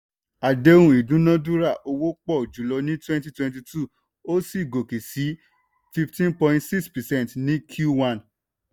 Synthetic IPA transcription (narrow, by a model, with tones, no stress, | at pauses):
a˨de˦wũ˦˨i˨dũ˨˦nã˦dũ˦ɾa˦˨ʔo˧wo˦k͡pɔ˦˨d͡ʒu˨˦lɔ˧nĩ˦twɛ̃˦nti˦twɛ̃˧nt̬i˧tʰu˦˨ | o˦si˦˨ɡo˨ki˨si˨˦ | fi˧ftĩ˦npɔ̃˧ĩntsi˦kspɛ˨sɛ̃˦˨n˨tnĩ˦kʰju˦wã˦˨n